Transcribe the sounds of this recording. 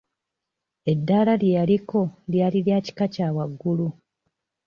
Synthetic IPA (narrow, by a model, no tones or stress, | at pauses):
e̞dːaːlaljejaliko̞ljaliljaːci̥kacaːwaɡːulu